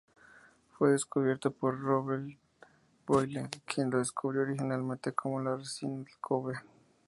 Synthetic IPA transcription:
fweðeskuβje̞ɾt̪opoɾroβeɾ | bojlekʰjenloðeskʰuβɾjooɾixinalmẽnt̪ekʰomolaresinlkʰoβe

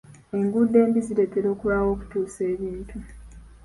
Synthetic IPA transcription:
e̞ŋɡudːe̞ːmbiziɾe̞teɾo̞ːkuβaːwo̞ːku̥tuːse̞ːβiːntʰu

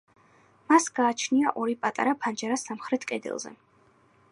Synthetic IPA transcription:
masɡ̥aːt͡ʃʰniaʔɔɾipʼat̪ʼa̰ɾapʰand͡ʒaɾasamχɾɛt̪ʰkʼɛd̪ɛ̰lˠzɛ̰

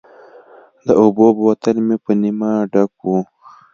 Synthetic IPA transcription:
d̪əobobwat̪anmepənimaɖak̚u

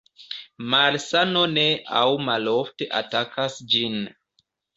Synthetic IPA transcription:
malsano̞nea̰wmalofte̞ʔa̰takʰasd͡ʒin

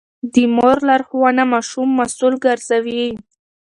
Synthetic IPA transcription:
d̪imoɾlaɾxwanamaʃumːasulɡəɾzawi

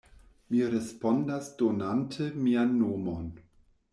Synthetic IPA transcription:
miɾespondasd̥onantʰemianːoːmon

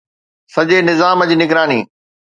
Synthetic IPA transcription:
sɐd͡ʑenɪzaːmɐd͡ʑnɪɡɾaːnḭː

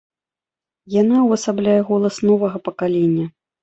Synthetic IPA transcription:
janawɐsablʲajɛɣɔlˠɐsnɔvɐɣɐpɐkalʲenʲːɐ

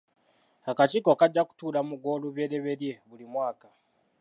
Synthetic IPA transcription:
hakat͡ʃikokaɟːaku̥tuːlamuɡoːluβjeːɾeβe̞ɾjeβulimwaːka

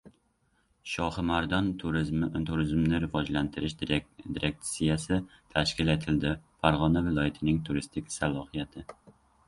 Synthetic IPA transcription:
ʃɑχɨmæɾd̪ɑnʰuɾt̪ʰuɾɪzmnɪɾɪvɑd͡ʒlænt̪ʰɪɾɪʃd̪iɾʔek̚t̪sijɛsɪt̪ʰæʃkʲilet̪ʰɪld̪ɪfæɾʁɑnɛvɪlˠɔjɪt̪ʰɪnɪŋt̪ʰuɾɨst̪ʰɪkʲsælˠɑhijɛt̪ʰɪ

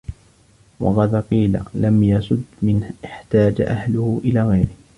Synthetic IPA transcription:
wɑ̰ɣɑðqiːla̰lamjɑsˤʊd̪mɪnʔɪħt̪aːd͡ʒaʔahlʊhʊʔɪlaːɣajɾɪh

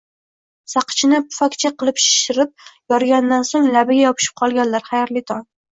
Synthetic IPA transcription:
sɑqʰɨ̥t͡ʃʰɪnɪpʰʊ̥fakʲt͡ʃʰaqɨlˠɪpʃɪ̥ʃɪɾɪp̚jɒɾɡʲand̪ansoŋlabɪɡʲajɒpʰɪ̥ʃɪ̥p̚qʰɒlˠɡʲanlaɾχajaɾlɪt̪ʰɒn

